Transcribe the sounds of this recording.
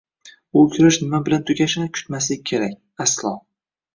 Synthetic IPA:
ʊkʲʰʊɾɪʃnɪmabɪlant̪ʰʊɡʲaʃɪnɪkʲʰʊ̥t̪maslɪe̞ɾakʲ | aslˠɒ

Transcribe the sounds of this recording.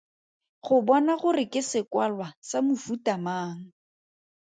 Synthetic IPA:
χʊbɔnaχʊrɪkɪsɪkwalwasamʊfutamaːŋ̩

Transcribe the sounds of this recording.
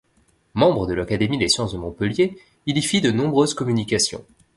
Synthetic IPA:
mɑ̃bʁəd̪əlakad̪emid̪esjɑ̃sd̪əmɔ̃pəlje | ilifid̪ənɔ̃bʁøzkɔmynikʲasjɔ̰̃

